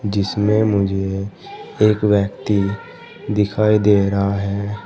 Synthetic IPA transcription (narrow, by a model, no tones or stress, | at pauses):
d͡ʒɪsmẽmʊd͡ʒʱe | eːkwjəkt̪i | d̪ɪkʰaːid̪eːɾəɦaɦɛː